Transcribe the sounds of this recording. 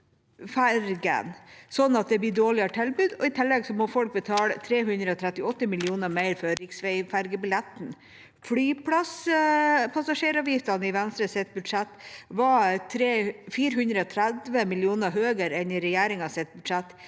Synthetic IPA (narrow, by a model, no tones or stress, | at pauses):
fæɾɡə̰nsɔnːɑt̪̚d̪ɛb̪ɪɖoːɭɪəʈʰɪlbʉːd̪ɔɪt̪ʰɪlːɛɡsɔmɔfɔlk̚bət̪ʰɑːlət̪ʰɾeːɦʉnd̪ɾəɔt̪ʰɾɛt̪ːɪɔt̪ːəmɪlɪuːnəɾmæɪɾfɔɾɾɪksʋɛɪfæɾɡəbɪlɛt̪n̩ | flyːpʰlɑs | pʰɑsɑʂeːɾɑːʋjɪft̪ɑnəɪʋɛnst̪ɾəsɛt̪̚bʉd̪ʂɛt̪ːʋɑt̪ʰɾeːfiːɾəhʉnd̪ɾəɔt̪ʰɾæd̪ʋəmɪlɪuːnəɦøːɡəɾɛnɪɾɛjæːɾɪŋɑsɛt̪̚bʉd̪ʂɛt̪ː